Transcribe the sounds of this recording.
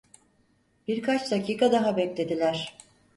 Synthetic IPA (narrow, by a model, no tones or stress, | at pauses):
b̥iɾkʰat͡ʃd̪acʰiːkʰad̪aɦabɛclʲe̞d̪ilʲæɾ̥